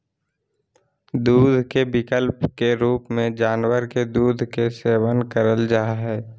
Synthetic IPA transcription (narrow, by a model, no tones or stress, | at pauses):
d̪uːd̪ʱkebɪkəlpkeɾuːpmẽd͡ʒaːnwəɾked̪uːd̪ʱkeseːwənkəɾəld͡ʒaːɦɛː